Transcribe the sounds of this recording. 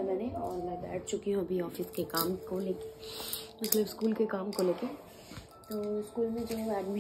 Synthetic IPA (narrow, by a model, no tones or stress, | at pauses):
mɛːneɔːɾmɛ̃bɛ̰ːʈ̚ʰt͡ʃʊkiɦũɐbʱiɔːfɪskekaːmkoleːkemɐt̪ləbskuːlkekaːmkoleːke | t̪oːskuːlmẽd͡ʒəɦɛ̃ɛːɖmi